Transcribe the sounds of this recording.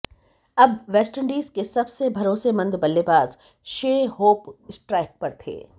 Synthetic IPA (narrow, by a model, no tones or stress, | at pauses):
ɐbʋɛːsʈəɳɖiːzkesɐbsebʱɐɾoːsemɐ̃nd̪bɐlːebaːz | ʃeːhoːpɪsʈɾɛːɪk̚pɐɾt̪ʰḛː